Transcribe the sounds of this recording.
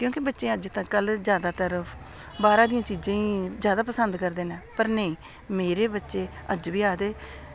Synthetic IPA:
kjõːkɪbətːʃẽːəd͡ʒt̪ãːkəld͡ʒjaːd̪aːt̪əɾəpʰ | baːɾãːd̪ijãːt͡ʃiːd͡ʒãːĩːzjaːd̪aːpəsənd̪kəɾd̪eːnɛːpəɾnəĩː | meːɾeːbətːʃeːəd͡ʒʋiːaːd̪eː

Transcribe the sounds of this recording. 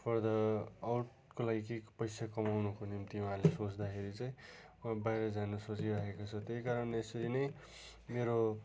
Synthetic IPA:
pʰʌrd̪ʌːwʈ̚ | kolaɡikekpʌjsakʌmawnukonimt̪iuɦãlesot͡sd̪akʰeɾit͡saj̃ | ʌbajɾʌd͡zanusot͡siɾakekot͡sʰʌt̪ejkaɾʌnesʌɾinʌj | meɾo

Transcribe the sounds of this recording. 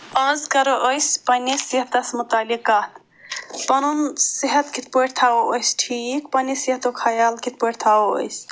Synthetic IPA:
əzkɐɾoʔəjspɐnisiət̪ɐsmut̪aːlikaːt̪ | pɐnunsiɦɐt̪kʰit̪poʈt̪ʰaoəjsʈʰikpɐnesiɦət̪okʰajaːlkit̪poʈʰt̪ʰaːoə̰js

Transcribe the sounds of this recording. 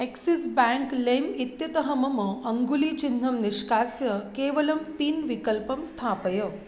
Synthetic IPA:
eksisbãŋklemit̪jɐt̪əɦəmɐməɐŋɡulit͡ʃind̪ʱəmnɪʃkaːsjəkeːʋɐlɐmpinʋikəlpəmst̪ʰaːpəjə

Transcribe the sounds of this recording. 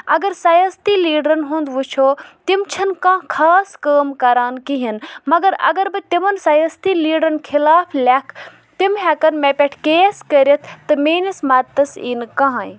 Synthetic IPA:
ɐɡɐɾsɐjɐst̪iːliːɖɾɐnɦũnd̪ʋut͡ʃʰoːt̪imt͡ʃʰɐnkãːkʰaːskəːmkɐɾaːnkiɦinmɐɡɐɾɐ̰ɡɐɾbɨt̪imɐnsɐjɐst̪iːliːɖɾɐnkʰilaːpʰlʲakʰ | t̪imɦɛkɐnmepʲeʈʰkeːskəɾʲɐt̪ʰt̪ːɨmeːnismɐt̪ːɐsḭːnkɐɦãj

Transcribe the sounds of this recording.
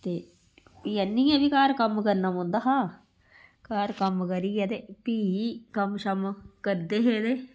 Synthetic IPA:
t̪eː | jɛnːiːjãːbiːkaːɾkəmkəɾnaːmõːnd̪aːɦãː | kaːɾkəmkəɾiːɛːt̪eːpiːkəmʃəmkəɾd̪eːɦeːd̪eː

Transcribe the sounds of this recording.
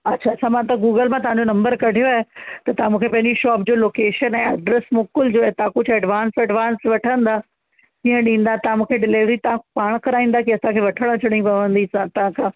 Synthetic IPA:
ɐtːɕʰaːsãmãt̪ɐɡuːɡəlmãt̪ɐɦãɲd͡ʑonɐ̃mbəɾkɐɖʱijoaːɦet̪ɐt̪ɐɦãmũːkʰepɐ̃ɦɪ̃ɲd͡ʑiʃɔːp̚d͡ʑoːloːkeːʃənɛ̃ːɐɖɾesmʊkʊld͡ʑoːet̪aãkʊd͡ʑʱɛɖʋaːnsɐɖʋaːnsʋɐʈʰə̃nd̪aː | kĩːə̃ɗĩːn̆d̪at̪ɐʋãmũːkʰeɖɪleːʋɾit̪ɐʋãpaːɽ̃kɐɾaːĩːnd̪akiɐsãkʰeːʋɐʈʰəɽ̃ət͡ɕʰɐɽ̃ĩpɐʋə̃nd̪isãt̪ɐʋãkʰãː

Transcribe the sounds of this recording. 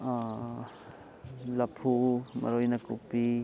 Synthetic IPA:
lɐpʰumɐ̰ɾojnɐkupi

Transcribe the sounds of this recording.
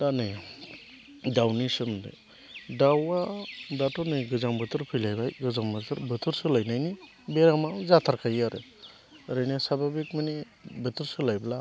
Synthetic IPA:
tanɯj | dawnisɯmdɯ̰ | dawadatɔnɯɡɯzambɯtʰɯɾpʰɯjlajbajɡɯzaŋbɯtʰɯɾbɯtʰɯɾsɯlajnajni | beɾamazatʰaɾkʰajaɾɯ̰ | ɾɯjnasababikmɯni | bɯtʰɯɾsɯlajbla

